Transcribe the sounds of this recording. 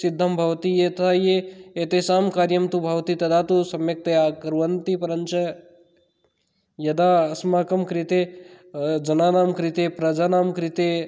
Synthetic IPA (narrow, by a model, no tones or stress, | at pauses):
sid̪ʱːɐmbʱɐʋt̪ijet̪aːjeeːt̪esaːmkaːɾjɐmt̪ubʱɐʋt̪it̪ɐd̪aːt̪usɐmjɐk̚t̪eakɐɾʋɐnt̪ipɐɾɐɲt͡ʃɐ | jɐd̪aːɐsmaːkɐmkɾit̪eː | d͡ʒɐnaːnaːmkɾɪt̪eːpɾɐd͡ʒaːnaːmkɾɪt̪e